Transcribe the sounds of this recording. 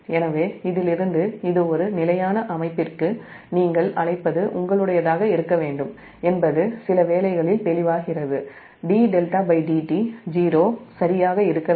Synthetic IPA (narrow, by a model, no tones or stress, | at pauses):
ɛnɐʋeːɪðɪlɪɾɯnd̪ɯɪðɯɔɾɯnɪlɐjaːnɐʔɐmɐɪpːɪrkɯ | niːŋɡɐɭɐɭɐɪpːɐðɯʔʊŋɡɐɭɯɽɐjɐðaːɣɐɪɾɯkːɐʋeːɳɖɯm | ɛnbɐðɯsɪlɐʋeːlɐɪɣɐɭɪlp̪ɛlɪʋaːɣɪrɐðɯ | ɖiːɖɛlʈaːbɐɪɖiːʈid͡ʒiːɾoːsɐɾɪjaːɣɐɪɾɯkːɐ